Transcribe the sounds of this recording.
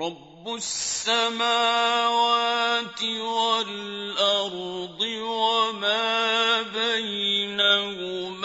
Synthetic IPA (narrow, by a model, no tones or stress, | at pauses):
ɾˤɑbːʊssːamaːwaːt̪ɪwalʔɑɾˤd̪ˤɨwamaːbajnahʊm